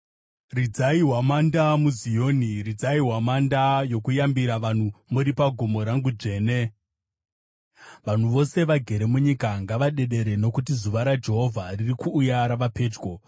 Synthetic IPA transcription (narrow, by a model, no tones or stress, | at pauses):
rid͡zaiɦwamandamuzijo̞ːnirid͡zaiɦwamandajo̞kujambiɾaʋan̤umuɾipaɡʱomo̞ɾaŋɡud͡ʐe̞ːne̞ | ʋan̤uʋo̞se̞ʋaɡʱe̞ɾe̞muɲikaŋɡaʋaɗe̞ɗe̞ɾe̞no̞kut̬izuʋaɾad͡ʒe̞ɦo̞vʱaririkuːjaɾaʋape̞ːd͡ʒɡo̞